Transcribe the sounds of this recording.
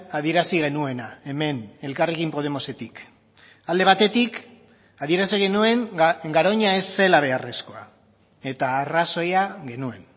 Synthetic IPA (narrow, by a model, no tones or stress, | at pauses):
aðie̞ɾasiɣ̞e̞nue̞nae̞me̞ne̞lkarekimpo̞ð̞e̞mo̞se̞t̪ik | ald̪e̞β̞at̪e̞t̪ik | aðie̞ɾasiɣe̞nue̞ŋɡaɾo̞ɲae̞sːe̞laβ̞e̞are̞sko̞a̰ | e̞t̪aːraso̞jaɣe̞nue̞n